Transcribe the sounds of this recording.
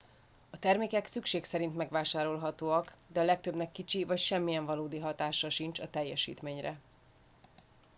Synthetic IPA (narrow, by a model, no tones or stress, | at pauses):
ɒt̪ɛrmeːkɛksykʃeːksɛɾint̪mɛɡʋaːʃaːɾo̞lɦɒt̪oːɒk | d̪ɛɒlɛk̚t̪øbnɛkːit͡ʃivɒcʃɛmːijɛɱvɒloːd̪iɦɒt̪aːʃɒʃint͡ʃɒt̪ɛjːɛʃḭːt̪meːɲrɛ̰